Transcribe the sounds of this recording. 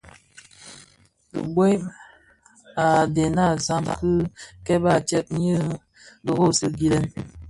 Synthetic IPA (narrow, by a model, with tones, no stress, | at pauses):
ə̰˨bwe˦m | a˨de˨na˦˨za˦mkɨ˦kɛ˦ba˦˨t͡ʃɛ˦p̚ɲə˦ | də˨ɣo˦˨sɨ˦ɡi˨lə˦n